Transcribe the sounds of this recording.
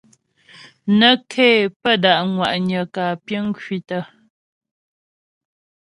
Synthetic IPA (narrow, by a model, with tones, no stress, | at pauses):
nə˦kʰeː˦˨pə˦˨da˨ʔŋwa˨ʔɲə˨kaː˨pjə˦ŋ˦kwi˨tə˦